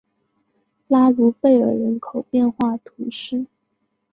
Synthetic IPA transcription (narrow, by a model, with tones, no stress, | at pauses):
la˥lu˧˥fe˥˩ɪə̰˞˧˥ɻə˧˥nkʰo˨˩ʊpjɛ˥˧nxwa˥˩t̪ʰu˧˥ʂɻ̩˥˩